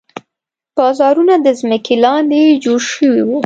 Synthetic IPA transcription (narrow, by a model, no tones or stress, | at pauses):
b̥ɑzɑɾunad̪əzməkʰelɑned͡ʒoɽʃəwiwu